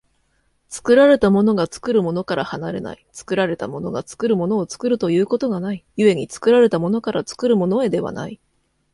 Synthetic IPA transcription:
t͡sɨ̥kɯ̟ɾaɾe̞t̪amo̞no̞ɡat͡sɨ̥kɯ̟ɾɯ̟mo̞no̞kaɾahanaɾe̞̰na̰it͡sɨ̥kɯ̟ɾaɾe̞t̪amo̞no̞ɡat͡sɨ̥kɯ̟ɾɯ̟mo̞no̞ːt͡sɨ̥kɯ̟ɾɯ̟t̪o̞jɯ̟ːko̞t̪o̞ɡanaijɯ̟e̞ɲ̟it͡sɨ̥kɯ̟ɾaɾe̞t̪amo̞no̞kaɾʔat͡sɨ̥kɯ̟ɾɯ̟mo̞no̞e̞d̪e̞βa̰na̰i

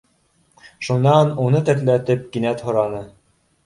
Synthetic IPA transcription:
ʃunːɑnunɤt̪æ̆t̪læt̪ɘp̚kinæt̪hŏɾɑnɤ

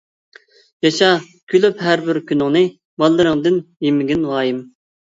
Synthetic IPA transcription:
jɑʃɑ | kʲʰylypɦæɾbɪɾkʲʰynɪŋnɨ | bɑlˠːɨɾɨŋd̪ɨnjemɪɡʲinʁɑːjim

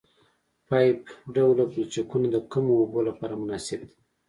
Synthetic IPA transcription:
pɑjpɖawlablt͡ʃakunad̪əkumoobolapɑɾamʊnɑsɪb̚d̪i̥

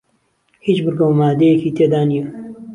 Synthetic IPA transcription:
hit͡ʃbɨɾɡɐwmaːd̪ejekiːt̪ʰeːd̪aːnijɛ

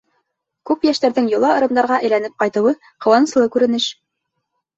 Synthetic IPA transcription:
kʉpjæʃt̪æɾðɘŋjŏlˠɑɤ̆ɾɤ̆md̪ɑɾʁɑʔɘ̆jlænɘp̚qɑjt̪ɤ̆wɤ | qɤ̆wɑnɤ̆slˠɤkʉɾɘ̆nɘʃ

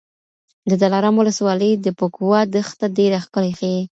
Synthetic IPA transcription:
d̪əd̪alaɾamwʊləswɑləjd̪əpokwɑd̪əxt̪adeɾaxkəlexe

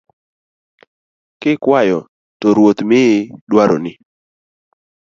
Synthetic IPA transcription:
kɪkwajɔ | toɾwot̪mɪdwaɾo̰nɪ

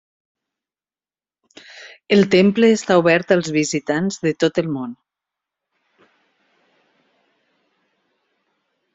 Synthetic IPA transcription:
əlˠt̪empləːst̪auβɛɾt̪əlˠzβizit̪anzðət̪ot̪əlˠmon

